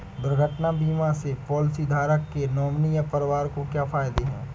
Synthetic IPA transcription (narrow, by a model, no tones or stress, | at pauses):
bɾəɡʱəʈnabiːmasepɔːlɪsid̪ʱaːɾəkːenɔːmnijapəɾɪʋaːɾkokjaːpʰaːjd̪eɦɛ̰̃ː